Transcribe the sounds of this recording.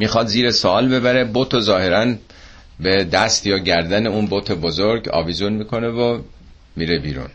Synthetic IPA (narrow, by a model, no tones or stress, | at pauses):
miːxɒːd̪ziːɾesoɒːlbe̞bæɾe̞bot̪ʰozɒːhe̞ɾæn | bed̪æst̪jɒːɟæɾd̪æne̞unboːt̪ʰebozoɾɡɒ̰ːvizunmiːkʰo̞ne̞vo | miːɾebiːɾṵn